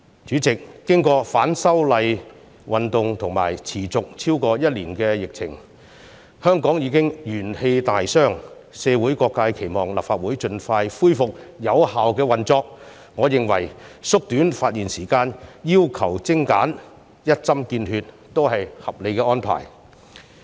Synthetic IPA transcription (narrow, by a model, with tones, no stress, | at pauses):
t͡ʃyː˨˥t͡sɪ˨k̚ːɪ˥ŋkɔː˧faː˨˥nsɐ˥wlɐ˨˧j | wɐ˨nt̪ʊ˨ŋt̪ʰʊ˨ŋma̰ː˨˩jt͡sʰiː˨˩t͡sʊ˨k̚t͡sʰiː˥wkɔː˧jɐ˥t̚liː˨˩nkɛː˧jɪ˨k̚t͡sʰɪ̰˨˩ŋ | hœː˥ŋkɔː˨˥ŋjiː˨˧kɪ˥ŋjyː˨˩nhe˧jt̪aː˨jsœː˥ŋ | sɛː˨˧wuː˨˥jkɔː˧kːaː˧jkʰe˨˩jmɔː˨˩ŋlɐ̰˨˩pfaː˧t̚wuː˨˥jt͡ʃɵ˧nfaː˧jfuː˥jfʊ˨k̚jɐ˨˧whaː˨wkɛː˧wɐ˨nt͡sɔː˧k̚ | ŋɔː˨˧jɪ˨ŋwɐ̰˨˩jsʊ˥k̚t̪yː˨˥nfaː˧t̚jiː˨˩nsiː˨˩kaː˧njiː˥wkʰɐ˨˩wt͡sɪ˥ŋka̰ː˨˥n | jɐ˥t̚t͡sɐ˥mkiː˧nhyː˧t̚ | t̪ːo˥whɐ˨jhɐ˨p̚le˨˧jkɛː˧ɔː˥npʰa̰ː˨˩j